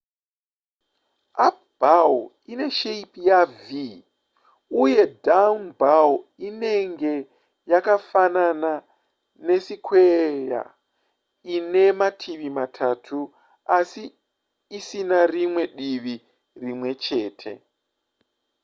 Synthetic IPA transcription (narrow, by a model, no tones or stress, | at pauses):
ap̚baw | ine̞ʃeipijavi | uje̞daunbawine̞ŋɡe̞ | jakafanana | ne̞sikʰweja̰ | ine̞matʰiʋimatʰatʰu | asiː | sinarimwe̞ɗiʋi | rimwe̞t͡ʃe̞ːtʰe̞̰